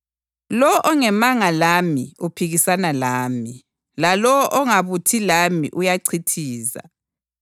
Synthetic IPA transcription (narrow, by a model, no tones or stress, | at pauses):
lɔʔɔŋɛmaŋalamiupʰiɣisanalaːmi | lalɔʔɔŋaβutʰilamḭʔujaǀʰitʰiːza̰